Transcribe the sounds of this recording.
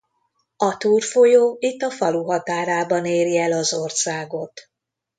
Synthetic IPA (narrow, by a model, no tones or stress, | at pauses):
ɒt̪uːrfojoːit̪ːɒfɒluɦɒt̪aːɾaːbɒneːɾjɛlɒzo̞rsaːɡo̞t̪